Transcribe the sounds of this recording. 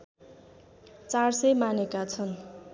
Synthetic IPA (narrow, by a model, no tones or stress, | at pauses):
t͡sarsʌjmanekat͡sʰʌn